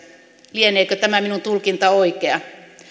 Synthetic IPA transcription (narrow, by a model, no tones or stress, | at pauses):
lieneːkøt̪æmæminunt̪ulkint̪ɑoikeɑ